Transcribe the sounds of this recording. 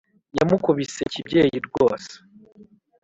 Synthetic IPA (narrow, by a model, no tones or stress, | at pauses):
ja̰mukuβise̞cibɟe̞ːjiɾɡoːse̥